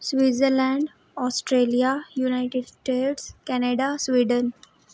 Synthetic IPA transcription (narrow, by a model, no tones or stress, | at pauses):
sʋizəɾlɛ̃ɳɖ | ɔːsʈɾeːlijajunaɪʈɪɖsʈeːʈskɛneɖasʋiːɖən